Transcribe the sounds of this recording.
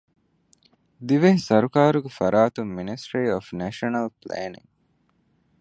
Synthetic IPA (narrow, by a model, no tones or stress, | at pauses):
d̪iʋeɦisɐɾukaːɾuɡefɐɾaːt̪umːinisʈɾiːofnæʃɐnɐlplḛːnḭŋ